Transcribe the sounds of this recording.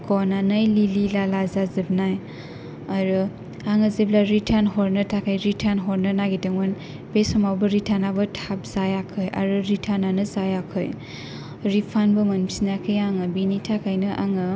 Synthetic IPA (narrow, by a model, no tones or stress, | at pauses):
kɔnanɯjlililalazazɯb̚naj | aɾɯ | aŋɯziblaɾitʰanɦɔɾnɯtʰakʰajɾitʰanɦɔɾnɯnaɡidɯŋɔn | besɔmawbɯɾitʰanabɯtʰap̚zajakʰɯja̰ɾɯɾitʰananɯzajakʰɯj | ɾipʰanbɯmansinakʰɯjaŋɯbinitʰakʰajnɯʔa̰ŋɯ